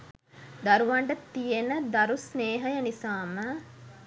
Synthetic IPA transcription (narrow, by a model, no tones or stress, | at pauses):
d̪aɾuʋaɳɖət̪ijenəd̪aɾusneːɦəjənisaːmə